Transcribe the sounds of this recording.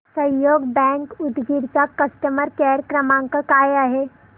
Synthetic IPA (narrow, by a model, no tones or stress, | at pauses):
sə̃joːɡbɛ̃ːŋkʊd̪ɡʱiɾkakəst̪əməɾkɛːɾkɾəmãŋkakaːjaɦeː